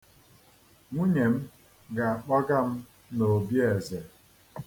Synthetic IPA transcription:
ŋʷu˦ɲe˨m̩˦ | ɡa˨a˨k͡pa˦ɡa˦m̩˦ | no˨bje˨ze˨

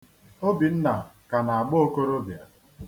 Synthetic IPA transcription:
o˦bi˨n̩˦na˨ka˨na˨a˨ɡ͡bʊ˦o˦ko˦ɾo˦bja˨

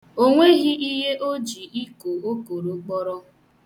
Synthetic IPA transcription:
o˦ŋʷe˦ɣɪ˦ʔi˦ɦe˦ʔo˦d͡ʒi˨ʔi˦ko˨o˦ko˨ɾo˨k͡pɔ˦ɾɔ˦

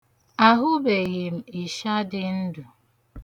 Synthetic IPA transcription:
a˦ɦʊ˦be˨ɣi˨m̩˨i˨ʃa˦dɪ˦n̩˦du˨

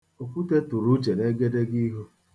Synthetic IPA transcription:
o˨kʷu˦te˦tu˨ɾu˦t͡ʃe˨ne˦ɡe˦de˦ɡi˦ɦu˦

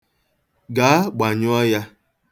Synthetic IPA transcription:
ɡa˨a˦ɡ͡ba˨ɲʊ˦ɔ˦ja˦

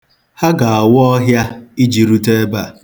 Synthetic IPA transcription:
ha˦ɡa˨a˨wʊ˦ɔ˦ɦja˦i˦d͡ʒi˨ɾu˦te˦ba˨

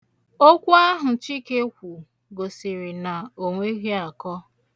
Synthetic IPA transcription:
o˦kʷu˦a˦ɦʊ˨t͡ʃi˦ke˦kʷu˨ | ɡo˨si˨ɾi˨na˨o˨ŋʷe˦ɣi˦a˨kɔ˦

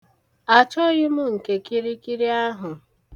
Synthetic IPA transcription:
a˨t͡ʃɔ˦ɣɪ˦mʊ˦ŋ̩˨ke˨ki˦ɾi˦ki˦ɾi˦a˦ɦʊ˨

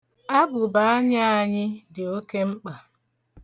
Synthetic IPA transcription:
a˦bʊ˨ba˨˦a˦ɲa˦a˦ɲɪ˦dɪ˨o˦ke˦ŋ͡m̩˦k͡pa˨

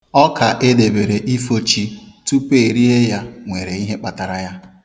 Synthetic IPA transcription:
ɔ˦ka˨ʔe˦de˨be˨ɾe˨ʔi˦fo˦t͡ʃi˦tu˦pe˦˨ɾi˦ɦe˦ja˦ŋʷe˨ɾe˨i˦ɦe˦k͡pa˨ta˨ɾa˨ja˦

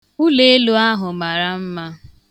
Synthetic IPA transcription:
u˦le˦e˦lu˦a˦ɦʊ˨ma˨ɾa˦m̩˦ma˦

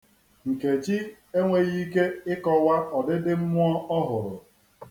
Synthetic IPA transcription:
ŋ̩˨ke˨d͡ʒi˦ | e˦ŋʷe˦ɣi˦ke˦ɪ˦kɔ˦wa˦ɔ˨dɪ˦dɪ˦m̩˦mʊ˦ɔ˦ɔ˦ɦʊ˨ɾʊ̰˨

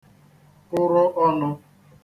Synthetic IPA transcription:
ʊ˦ɾɔ˦ʔɔ˦nʊ˦

